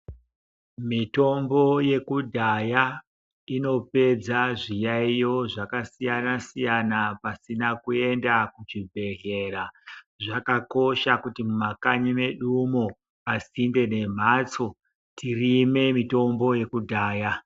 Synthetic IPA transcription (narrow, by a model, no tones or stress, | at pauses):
mito̞mbo̞je̞kudʱaja | ino̞pe̞d͡zaʐijaijo̞ʐakasijanasijanapasinakue̞ndakut͡ʃibʱe̞ɦe̞ra | ʐakako̞ʃakutimumakaɲime̞ɗumo | asinde̞ne̞m̤at͡so̞ | tirime̞mito̞mbo̞je̞kudʱaːja